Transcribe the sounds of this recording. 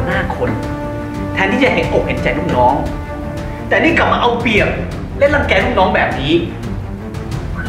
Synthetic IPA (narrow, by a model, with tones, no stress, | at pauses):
naː˥˩kʰo˧n | t̪ʰɛː˧nt̪iː˥˩t͡ɕa˨˩ɦe˨˦nʔo˨˩k̚he˨˦nt͡ɕa˨˩jluː˥˩ŋ̚nɔː˦˥ŋ | t̪ɛː˨˩niː˥˩kla˨˩p̚ma˧ʔa˧wpi˨˩ək̚ | le˦˥˨nla˧˥˩mkɛː˧lu˥˩˨ŋ̚nɔː˦˥ŋbɛː˨˩p̚niː˦˥